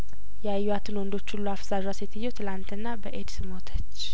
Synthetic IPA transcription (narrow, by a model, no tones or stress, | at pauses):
jɛajːuat̪ʰɨnwɔnd̪o̞t͡ʃːhulːuafz̥aʒaset̪ʰɨjːɛwt̪ʰɨlant̪ɨnːabəʔed̪sɨmo̞t̪ʰə̥t͡ʃː